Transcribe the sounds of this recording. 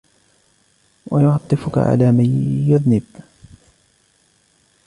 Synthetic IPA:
wɑjʊʕɑt̪ˤːɨfʊka̰ʕa̰laːmanjʊðnɪb̥

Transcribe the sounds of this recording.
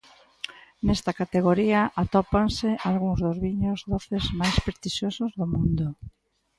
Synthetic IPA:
nest̪akat̪eɣ̞oɾiaʔat̪ɔpansɪʔalɣuŋzðʊzβiɲʊzðoθezmajspɾest̪iʃosʊzðomũnd̪ʊ

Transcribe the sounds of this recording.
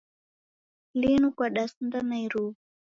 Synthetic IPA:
linukwaɗasndanaiɾu

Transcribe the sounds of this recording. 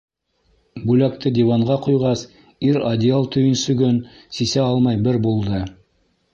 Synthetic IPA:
bʉlæk̚t̪ɘd̪ʲivɑɴɢɑqujʁɑs | iɾad̪ʲɪalˠt̪ʰɵ̆jɵnsɵ̆ɡɵn | sisæɑlˠmɑjbɘɾbulˠd̪ɤ

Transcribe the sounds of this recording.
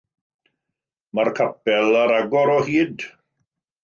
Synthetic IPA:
markʰapɛlˠaɾaɡɔɾɔhiːd

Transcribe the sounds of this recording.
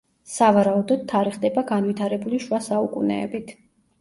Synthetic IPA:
savaɾaud̪ɔd̪̚t̪ʰːaɾiχd̪ɛbaɡanvit̪ʰaɾɛbuliʃwasaukʼṵnɛ̰ːbit̪ʰ

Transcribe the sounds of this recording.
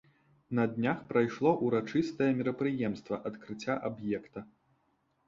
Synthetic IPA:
nɐd̪ʲnʲaxpɾajʂlˠɔʔuɾat͡ʂɨst̪ɐjɐmʲiɾɐpɾɨjɛmst̪vɐʔɐt̪kɾɨt͡sʲːaʔabjɛkt̪ɐ

